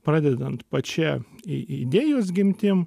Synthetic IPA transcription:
pɾɑːd̪ʲɛd̪ɐnt̪pɐt͡ʃʲɛɪɪd̪ʲeːjoːs̬ɡʲɪmʲt̪ʲɪm

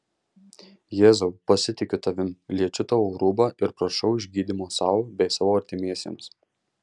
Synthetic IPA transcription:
jeːzoʊpɐsʲɪt̪ʲɪkʲʊt̪ɐʋʲɪmlʲiɛt͡ʃʲʊt̪ɐʋoːɾuːbɐʔɪɾpɾɐʃɐʊɪʒʲɡʲiːd̪ʲimoːsɑːʋbʲɛɪsɑːʋoːɐɾʲt̪ʲɪmʲiɛsʲḛːms

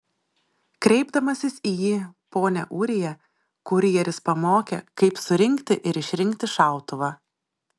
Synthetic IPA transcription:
kɾʲɛɪbd̪ɐmɐsʲɪsiːjiːpoːnʲɛ̰ʔuːɾʲɪjɛ | kʊɾʲɪjɛɾʲɪspɐmoːkʲɛ̰kɐɪpsʊɾʲɪŋʲkt̪ʲɪʔɪɾɪʃʲɾʲɪŋʲkt̪ʲɪʃɑˑʊt̪ʊʋɑː

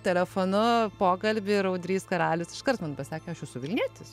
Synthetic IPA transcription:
t̪ʲɛlʲɛfoːnʊpoːkɐlʲbʲɪɾɐʊd̪ʲɾʲiːskɐɾɑːlʲʊsɪʃkɐrt̪mɐnpɐsʲɑːkʲɛɐʃɛsʊʋʲɪlʲnʲiɛt̪ʲɪs

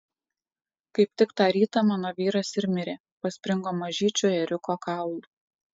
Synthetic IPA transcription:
kɐɪp̚ʲt̪ʲɪkt̪ɑːɾʲiːt̪ɐmɑːnoːʋʲiːɾɐsɪɾʲmʲɪɾʲeː | pɐsʲpʲɾʲɪŋɡoːmɐʒʲiːt͡ʃʲoːɛɾʲʊkoːkɑˑʊlˠu

